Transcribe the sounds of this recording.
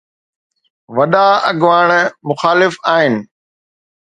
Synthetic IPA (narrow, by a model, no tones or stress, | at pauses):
ʋɐɗaɐɠʋaːɽ̃mʊxaːlɪfaːɦɪnɪ̆